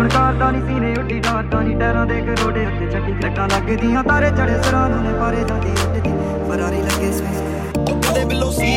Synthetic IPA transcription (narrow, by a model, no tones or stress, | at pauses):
əɳkaːɾd̪ãːniːsiːnẽːʊʈːiːɖaːɾd̪ãːniːʈɛːɾãːd̪eːkɾoːɖeːʊt̪eːt͡ʃʰəʈːiːt̪ɾəʈãːləɡd̪ɪjãːt̪aːɾeːd͡ʒəɽeːsəɾãːnõːnẽːpaːɾeːd͡ʒãːd̪iːʊʈːd̪iː | pʰəɾaːɾiːləɡːeːsẽːs | ʊd̪eːbɪlːoːsi